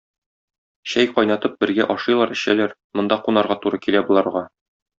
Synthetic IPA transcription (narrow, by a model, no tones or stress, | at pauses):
ɕæjqɒjnɑt̪ɤp̚bɘ̆ɾɡæʔɒʃɤjlˠɑɾɘ̆ɕælæɾmŏnd̪ɑqunɑɾʁɑt̪uɾɤkilæbulˠɑɾʁɑ